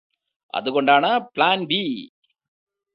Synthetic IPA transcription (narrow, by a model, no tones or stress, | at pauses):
ɐ̰ðɯkoɳɖaːɳɐplaːnbi